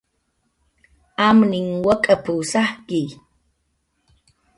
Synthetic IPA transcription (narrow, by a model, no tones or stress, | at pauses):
amniŋwəkʼəpusahki